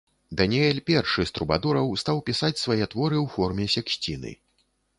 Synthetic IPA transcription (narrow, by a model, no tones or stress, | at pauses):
d̪ɐnʲiɛlʲpʲɛrʂɨst̪ɾubad̪ɔɾɐwst̪awpʲisat͡sʲsvajɛt̪vɔɾɨwfɔrmʲɛsʲɛksʲt͡sʲinɨ̰